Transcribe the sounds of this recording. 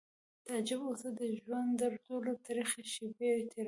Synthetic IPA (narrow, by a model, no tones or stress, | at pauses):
t̪ɑd͡ʒɪbosəd̪əʒwand̪d̪əɾtolot̪ɑɾixaʃibet̪ʰeɾ